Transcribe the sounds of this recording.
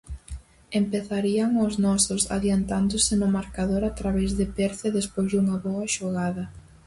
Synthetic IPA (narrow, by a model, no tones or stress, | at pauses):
empeθaɾiɐŋʊznɔsʊsa̰ðjant̪and̪ʊsɪnʊmaɾkaðoɾat̪ɾaβɛzðɪpɛɾθɐðespozðuŋɐβoɐʃoɣaðɐ